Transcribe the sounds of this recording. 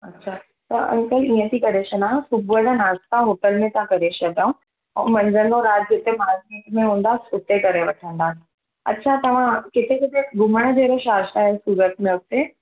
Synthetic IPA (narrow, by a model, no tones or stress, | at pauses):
ɐtːɕʰaː | t̪ɐɐ̰̃lkəliːə̃t̪ʰikɐɾeːʃənaːɦsʊbuəd̪anaːst̪ãɦʊʈəlmẽt̪ãkɐɾeːʃad̪jaũ | ɛ̰̃ːmɐ̃ɲzənɡõɾaːd͡ʒ̪kɪt̪emaːzmikmẽɦũːnd̪aːʊt̪ekɐɾeʋɐʈʰə̃nd̪aːɦ | ɐ̰tːɕʰat̪ɐʋ̤ãkɪt̪ʰekɪt̪eɡʱʊməɽ̃d͡ʑeːɾoʃaːʃt̪aɦɛsuːɾət̪̚mẽʊt̪ẽ